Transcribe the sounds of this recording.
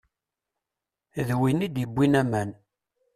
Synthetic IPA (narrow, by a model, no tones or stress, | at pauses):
ðwinid̪jəbʷːinæmæn